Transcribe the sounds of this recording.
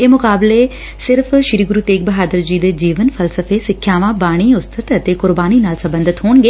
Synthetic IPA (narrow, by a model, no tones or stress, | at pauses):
eːmʊkaːbleː | sɪɾpʰʃɪɾiːɡʊɾuːt̪eːk̚bəɦaːd̪əɾd͡ʒiːd̪eːd͡ʒiːʋənpʰəlsəfʰeːsɪkʰːjaːʋãːbaːɽ̃iːʊst̪ʰət̪ət̪eːkʊɾbaːniːnaːlsəmbə̃nd̪ɪt̪ɦoːɳɡeː